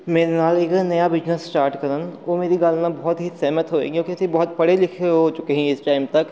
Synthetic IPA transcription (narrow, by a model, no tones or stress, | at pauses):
meːɾenaːleːknɐjabɪd͡ʒnəssʈaːɾʈkɐɾənʋoːmeːɾiɡaːlnãbɔɦʊt̪ɦisɛɦmət̪ɦoːḛːɡijõːkiɐsibɔɦʊt̪̚pɐɽ̤elɪkʰeɦoːt͡ʃʊkeɦɛ̃ɪsʈaːɪmt̪ɐk